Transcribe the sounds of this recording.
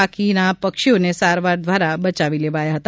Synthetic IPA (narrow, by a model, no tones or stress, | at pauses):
akinapəkʃionesaɾʋaɾd̪ʱʋaɾabət͡ʃaʋileʋajaɦət̪